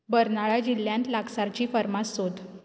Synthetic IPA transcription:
bəɾnaɭad͡ʑilːjãnt̪laksaɾt͡ɕiːfəɾmasod̪

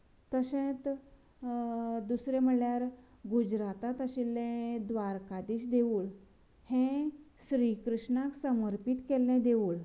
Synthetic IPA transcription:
t̪əɕẽt̪ | d̪usɾẽm̤əljaɾ | ɡud͡ʑɾat̪at̪əɕilɛ̃d̪ʋaɾkad̪iːt͡ɕd̪eʋuːɭ | hɛ̃ | ɕɾikɾuʂɳaksəməɾpit̪kɛlːɛ̃d̪eʋuːɭ

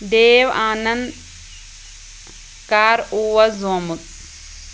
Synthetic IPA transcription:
d̪eːʋaːnɐn | kaːɾuʋɐzomut̪̚

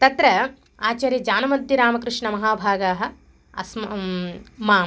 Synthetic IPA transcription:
t̪ɐt̪ɾɐ | aːt͡ʃaːɾjɐd͡ʒaːnɐmɐd̪ːiɾaːmɐkɾɪʂɳɐmɐɦaːbʱaːɡaːɦɐ̆ | ɐ̰sm | maːm

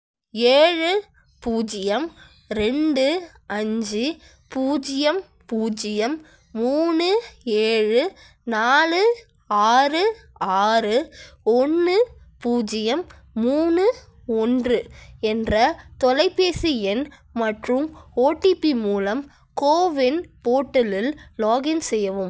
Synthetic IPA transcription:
eːɻɯ | puːd͡ʒɪjɐm | ɾɛɳɖɯ | ɐɲd͡ʒɯ | puːd͡ʒɪjɐm | puːd͡ʒɪjɐmː | uːnɯeːɻɯ | naːlɯ | aːrɯ | aːɾɯɔnːɯ | puːd͡ʒɪjɐmː | uːnɯ | ɔndrɯɛndrɐt̪ɔlɐɪpːeːsiɛn | mɐʈrɯmoːʈːipːimuːlɐm | koːʋɪnpoːʈːɐlɪlloːɣɪnsɛjːɐʋɯm

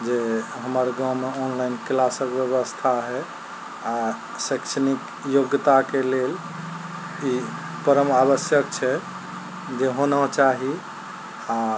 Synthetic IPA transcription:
d͡ʒeɦəməɾɡãwmeɔnlajnklasəkbjəβəst̪ʰaɦɛ | a | sekt͡ʃʰənik | joɡt̪akelel | i | pəɾəmabəsjəkt͡ʃʰɛ | d͡ʒeɦonət͡ʃaɦi | a

